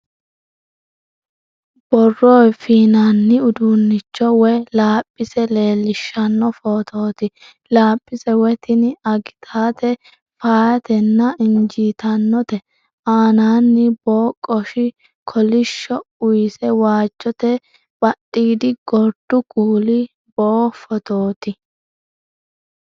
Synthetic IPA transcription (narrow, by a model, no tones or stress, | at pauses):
b̥ɔrːoːjfiːnanːɪʊd̪unːɪt͡ʃːɔwɛlaːpʼːɪsɛle̞ːlːɪʃːɐnːɔfo̞ːt̪ʰoːt̪ɪ | laːpʼːɪsɛwɛt̪ɪnɪɐɡɪt̪ʰaːt̪ɛ | faːjɐt̪ɛnːɐɪnd͡ʒiːt̪ɐnːɔt̪ɛ | aːnaːnːɪboːkʼɔʃɪ | kʰɔlɪʃːɔʊjsɛwaːt͡ʃːɔt̪ɛ | bʼɐɗʼːiːd̪ɪɡ̥ɔɾd̪̥ʊkuːlɪ | boːfɔt̪oːt̪ɪ